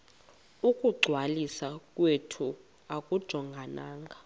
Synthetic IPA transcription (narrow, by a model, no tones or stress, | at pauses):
ukʼuɡ͡ǀʱwalisakʼwetʰu | akʼud̥ʒ̥ʱɔŋɡʱanaːŋɡʱa